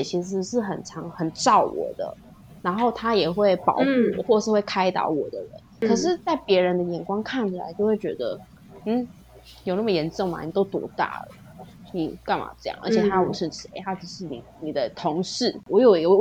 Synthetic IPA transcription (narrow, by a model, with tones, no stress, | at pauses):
ɛ˨˩t͡ɕʰi˧˥˧ʂɻ̩˥˩xə˨˩nʈ͡ʂʰɑ˧˥ŋxə˨˩nʈ͡ʂɑ˥˩ʊwɔ̰˨˩d̪ə̰˦ | na˧˥nxo˥˩ʊt̪ʰa˥jɛ˨˩xwe˥˩ɪpɑ̰˧˥˦ʊxu˥˩˨xwɔ˥˩˧ʂɻ̩˥˧xwe˥˩ɪkʰa˥ɪt̪ɑ̰˧˥ʊwɔ˨˩d̪ə˦ɻə̰˧˦nkʰɤ˨˩ʂ̬ɻ̩˥˧t͡sa˥˩ɪpjɛ˧˥ɻə˧˥nd̪ə˧jɛ˧˥nkwɑ˥ŋkʰa˥˩nt͡ɕʰi˨˩la̰˧˥ɪt͡ɕjo˥˧ʊxwe˥˩t͡ɕɥɛ̰˧˥d̪ə̰˧ | n̩˥˩ | njo˨˩ʊna˥˩mə˨jɛ˧˥nʈ͡ʂɤ˥˩ŋma̰˨˩ni˨˩t̪o˥ʊt̪wɔ̰˧˥t̪a̰˥˩lə̰˨˩ | ni˨˩ka˥˩ma̰˨˩ʈ͡ʂɤ˥˧jɑ̰˥˩ŋʔə̰˧˥t͡ɕʰjɛ˨˩t̪ʰa˥wɔ˨˩˦ʂɻ̩˥˩ʂe˧˥ɪa˥t͡ɕi˥˧˥ʂɻ̩˥˩nḭ˨˩ni˨˩d̪ə˦t̪ʰʊ˧˥ŋʂɻ̩˥˩wɔ˧˥jo˨˩ʊi˧˥ɡə˧